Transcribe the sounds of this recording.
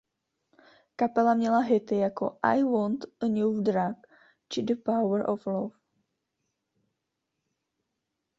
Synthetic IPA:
kapɛlamɲɛlaɦɪt̪ɪjako̰ʔa̰jwont̪nudɾak | t͡ʃɪdəpawəɾʔoflof

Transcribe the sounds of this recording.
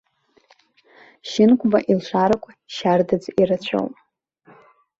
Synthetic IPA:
ʃɪnkʷʰʼbaʔilʃʷaɾakʷʰaʃardad͡ziɾat͡ɕʷʰo̰wpʼ

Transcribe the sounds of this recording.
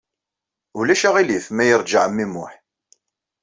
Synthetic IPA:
ʊlæʃæʁiliθmæjəɾˤd͡ʒəʕəmːimʊħ

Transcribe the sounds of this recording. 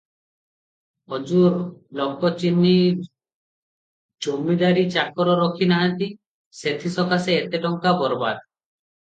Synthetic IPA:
ɔd͡ʒuɾlɔkːɔt͡ʃinːi | d͡ʒomːid̪aɾit͡ʃakɔɾɔɾɔkʰinaɦant̪i | set̪ʰisɔkaseːt̪eʈɔŋkabɔɾba̰d̪

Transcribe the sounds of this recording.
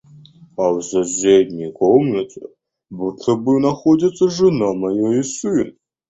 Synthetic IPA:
awzɐzʲedʲnʲikʰomnɐt̪ʰɨ | butʰɐbɨnɐxodʲɪt̪sːɐʐɨnamɐjaisɨn

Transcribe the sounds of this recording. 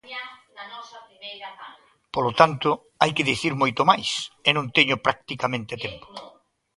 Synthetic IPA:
polot̪ant̪ʊ | ajkeðiθiɾmojt̪omajsenõŋt̪eɲʊpɾak̚t̪ikamẽnt̪et̪empo̥

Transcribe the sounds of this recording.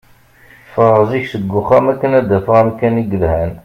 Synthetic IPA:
fəɾˤəziçsəɡːʊχæmækːənæd̪æfəʁnkːæniɡəlhæn

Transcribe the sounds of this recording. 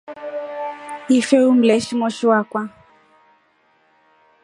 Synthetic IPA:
ifɛum̩lɛʃiŋɔʃiwakwa

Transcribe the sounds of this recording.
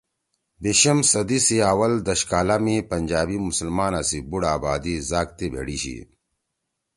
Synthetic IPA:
biɕɐmsɐd̪isiaːwɐld̪ɐɕkaːlamipɐnʲd͡ʑaːbimusəlmaːnasibuɽaːbaːd̪izaːk̚t̪ibʱḛɽiɕḭ

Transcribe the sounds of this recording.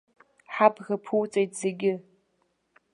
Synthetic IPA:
ħapʰɣapʰuwt͡sʼejtʰʼz̥e̞ɡʲɪ

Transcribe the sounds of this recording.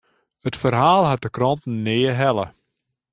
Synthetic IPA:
hətfərɦaːlˠɦat̚dəkrɔntn̩ːeːəɦɛlˠə

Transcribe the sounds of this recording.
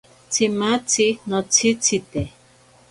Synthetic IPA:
t͡sʰimat͡sinot͡sʰit͡sit̪e

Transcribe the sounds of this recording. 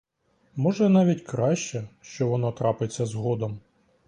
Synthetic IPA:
mɔʒɛnɑʋʲitʲkɾɑʃt͡ʃɛʃt͡ʃɔʋɔnɔt̪ɾɑpɪt͡sʲːɐzɦɔd̪ɔm

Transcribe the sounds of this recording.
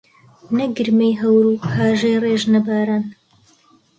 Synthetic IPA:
nɐɡɨɾmejɦɐwɾuːhaːʒejreːʒnɐbaːɾaːn

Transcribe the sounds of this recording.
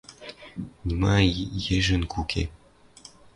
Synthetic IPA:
nimajeʒɘ̆nkʰukʲʰḛ

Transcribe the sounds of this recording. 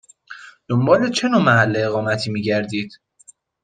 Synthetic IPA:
d̪̥ombɒːlet͡ʃʰe̞noːmæhælːeːɣɒːmæt̪ʰiːmiːɟæɾd̪iːd̪̥

